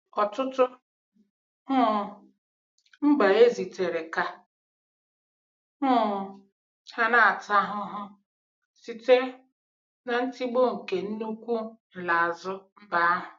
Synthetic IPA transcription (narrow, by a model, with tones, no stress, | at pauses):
ɔ˨tʊ˦tʊ˦ | hʊ˦˨ | ŋ͡m̩˦ɡ͡ba˨e˦zi˨te˨ɾe˨ka˦ | ʊ˦˨ | ha˦na˦a˨ta˦ɦʊ˦ɦʊ˦ | si˨te˦ | na˨n̩˦ti˦ɡ͡bo˦ŋ̩˨ke˨n̩˦nu˦kʷu˦n̩˨la˨a˨zʊ˦m̩˦ba˨˦a˦ɦʊ˨